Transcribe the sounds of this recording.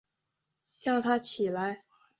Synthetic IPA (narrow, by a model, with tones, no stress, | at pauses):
t͡ɕjɑ˥˩ʊt̪ʰa˥t͡ɕʰi˨˩la˧˦ɪ